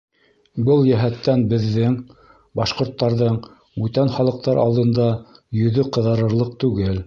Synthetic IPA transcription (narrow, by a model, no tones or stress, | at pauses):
bɤlˠjæɦæt̪ːænbɘ̆ðːɘŋ | bɑʃqŏɾt̪ːɑɾðɤɴ | ʉt̪ænχɑlˠɤ̆q̚t̪ɑɾʔɑ̰lˠd̪ɤ̆nd̪ɑjɵ̆ðɵqɤ̆ðɤ̆ɾɤ̆ɾlˠɤq̚t̪ʉɡɘl